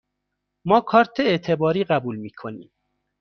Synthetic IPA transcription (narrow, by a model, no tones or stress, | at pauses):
mɒːkʰɒːɾt̪ʰeet̪ʰebɒːɾiːɢæbuːlmiːkʰonḭːm